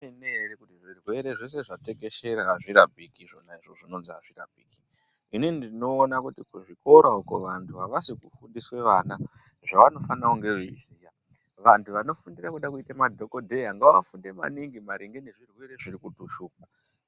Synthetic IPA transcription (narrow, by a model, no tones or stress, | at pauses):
enerekutiʐirwe̞ɾe̞ʐes̬e̞ʐate̞ke̞ʃe̞ɾaaʐiɾabʱikiʐo̞naiʐoʐino̞nzia̰ʐira̰bʱiːkiininidino̞ːnakutikuʐikʰo̞ɾaukoʋantʰuaʋasikufundiswe̞ʋanaʐaʋano̞fanauŋɡe̞ʐizija | ʋantʰuʋano̞fundirakuɗakuitamadʱo̞kodʱe̞jaŋɡaʋa̰funde̞ma̰niŋɡimaɾiŋɡeneʐirwe̞ɾe̞ʐirikutuʃuːka